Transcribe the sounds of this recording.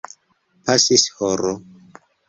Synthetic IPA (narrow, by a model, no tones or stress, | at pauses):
pasishɔɾo